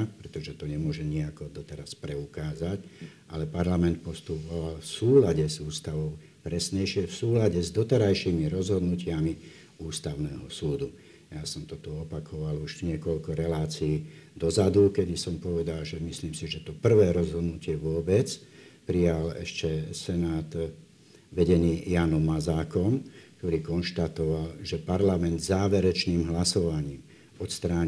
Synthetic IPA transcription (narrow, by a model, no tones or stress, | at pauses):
pɾɛt̪ɔʒɛt̪ɔɲɛmʊɔʒɛɲiakɔd̪ɔt̪ɛɾaspɾɛukaːzacʔalɛpaɾlamɛnt̪̚pɔst̪uːpɔʋalfsuːlaɟɛzuːst̪aʋɔʊ | pɾɛsɲɛjʃɪɛfsuːlaɟɛzd̪ɔt̪ɛɾajʃiːmiɾɔzɦɔd̪nucɪami | uːst̪aʊnɛːɦɔsuːd̪u | jasɔmt̪ɔt̪uɔpakʰɔʋaluʒɲɪɛkɔʎkɔɾɛlaːt͡siiːd̪ɔzad̪ukɛd̪isɔmpɔʋɛd̪alʒɛmisliːmsiʒɛt̪ɔpr̩ʋɛːɾɔzɦɔd̪nucɪɛʋʊɔbɛt͡s | pɾijalɛ̰ʃcɛsɛnaːt̪ | ʋɛɟɛniːjanɔmːazaːkɔmk̚t̪ɔɾiːkɔnʃt̪at̪ɔʋalʒɛpaɾlamɛnd̪zaːʋɛɾɛt͡ʃniːmɦlasɔʋaɲiːm | ɔt̪st̪ɾaːɲ